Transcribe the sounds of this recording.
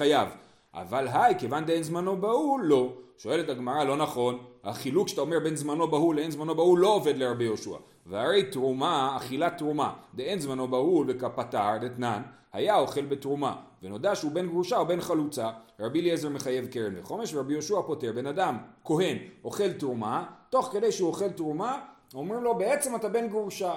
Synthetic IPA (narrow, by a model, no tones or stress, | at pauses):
ajav | ʔa̰valɦajkevand̪eenzmano̞baulːo̞ʃo̞e̞le̞taɡmaʁalo̞naχo̞nhaχilukʃḁtaomebe̞nzmano̞bahuleenzmano̞baulːo̞ove̞d̪leɾabijo̞ʃua̰ | vehaɾe̞jtʁumaːχilat̪ʁumad̪eenzmano̞baulbekapataʁd̪et̪nan | ha̰jao̞χe̞lbe̞tʁuma̰veno̞d̪aʃeube̞nɡʁuʃaobe̞nχalut͡saʁabiliezeʁme̞χaje̞vkeɾenveχo̞meʃveabijo̞ʃuapo̞te̞ʁbe̞nadamko̞ɦe̞no̞χe̞ltʁumato̞χke̞dejʃeuoχe̞ltʁumaomʁimlo̞beet͡se̞matabe̞nɡʁuʃa